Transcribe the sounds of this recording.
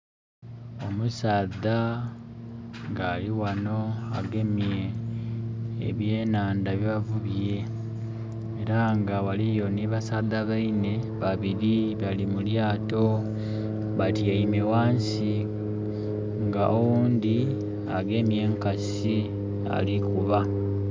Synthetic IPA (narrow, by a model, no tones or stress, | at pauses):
o̞musaːða | ŋɡaliwano̞aɡe̞mje | βje̞ːnaːndaβjβavuβje̞ | eɾaŋɡawalijo̞niβasaːðaβaine̞βaβiɾiβalimuljaːto̞ | βatiaimewaːns | i | ŋɡaʔowuːnd̪i | aɡe̞mje̞ːŋkas | i | a̰likuβa